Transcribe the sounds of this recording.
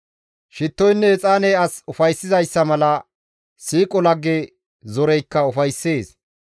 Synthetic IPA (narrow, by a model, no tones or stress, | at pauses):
ʃɪt̪ːɔjnːɛːt͡sʼaːnɛɐsʊfɐjsːɪzɐjsːɐmɐlɐ | siːkʼɔlɐɡːe | zɔɾɛjkːɐʊfɐjsːe̞ːs